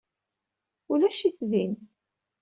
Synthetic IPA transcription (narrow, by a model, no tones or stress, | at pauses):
ʊlæʃiθðin